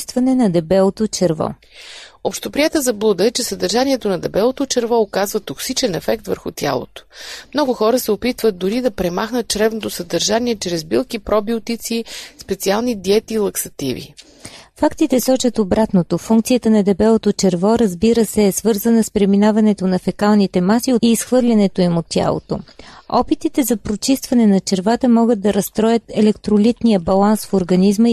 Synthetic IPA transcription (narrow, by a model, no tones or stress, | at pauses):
st̪vɐnɛnɐd̪ɛbɛlˠot̪ot͡ʃɛɾvɔ̰ | opʃt̪opɾiɛt̪əzɐblˠud̪əɛt͡ʃɛsəd̪əɾʒaniɛt̪onɐd̪ɛbɛlˠot̪ot͡ʃɛɾvɔokazvət̪oksit͡ʃɛnɛfɛkt̪vəɾxʊ̰t̪ʲja̰lˠo̰t̪o̥mnɔɡʊxɔɾəsɛopit̪vət̪̚d̪ʊɾid̪ɐpɾɛmaxnət̪̚t͡ʃɾɛvnot̪osəd̪ɐɾʒaniɛt͡ʃɾɛzbilˠkipɾɔbiʊt̪it̪sispɛt̪sialˠnid̪iɛt̪iːlˠɐksɐt̪ivḭ | fakt̪it̪ɛsɔt͡ʃət̪obɾat̪not̪ofuŋk̚t̪sijət̪ənɐd̪ɛbɛlˠot̪ot͡ʃɛɾvɔɾɐzbiɾəsɛːsvɤɾzənəspɾɛminavɐnɛt̪onɐfɛkalˠnit̪ɛmasioiːsxvɤɾlʲɐnɛt̪oimot̪ːʲja̰lˠo̰t̪oɔpit̪it̪ɛzɐpɾot͡ʃist̪vɐnɛnɐt͡ʃɛɾvat̪əmɔɡəd̪̚d̪ɐɾɐst̪ɾɔjət̪ɛlɛkt̪ɾolit̪nijəbɐlˠansfoɾɡɐnizmə